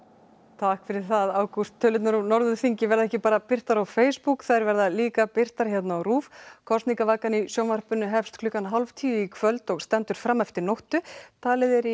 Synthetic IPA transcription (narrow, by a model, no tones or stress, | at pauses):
t̪ʰahkfɪɾɪɾ̥θaðaːwkust̪ʰːœlʏt̪naɾʏnɔɾðʏfiɲcɪvɛɾðaɛhcɪpaːɾapɪr̥t̪aɾawfeːjspukθajɾvɛɾðaliːkapɪr̥t̪aɾ̥çjɛt̪naːwɾuːfkʰɔst̪niŋkavaːkanisjɔwnvar̥pʏnːʏɦɛfst̪kʰlʏkanɦalvt̪ʰiːʏikʰvœlt̪ɔɣst̪ɛnt̪ʏɾ̥fɾamːɛft̪ɪɾnowht̪ʏt̪ʰaːlɪðɛɾi